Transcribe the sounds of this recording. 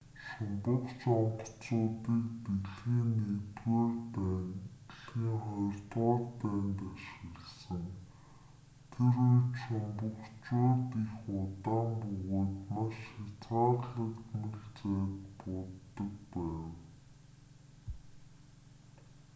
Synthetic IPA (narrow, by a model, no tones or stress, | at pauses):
ʃʊmpə̆χt͡ɕɔmə̆t͡sʊːt̪iːk̚t̪eɮɣiːnet̪woːrtːntɮxiːŋχɔj̆rt̪ʁɔːrt̪æːnt̪aʃɪ̆ɣə̆ɮsə̆ŋ | t̪ʰeɾutʃʊmpə̆kt͡ɕʊːt̪ixʊt̪aːmpɵɣoːt̪maʃxat͡sɢaːrɮə̆kt̪mɵɮt͡seːt̪pɔt̪ːə̆k̚pæːw